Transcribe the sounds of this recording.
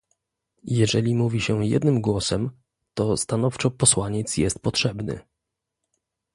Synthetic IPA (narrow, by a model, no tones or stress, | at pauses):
jɛʐɛlʲimuvʲiɕɛjɛ̰d̪nɘmɡwɔsɛm | t̪ɔst̪anɔft͡ʂɔpɔswaɲɛt̪sjɛst̪̚pɔtʂɛbnɘ̰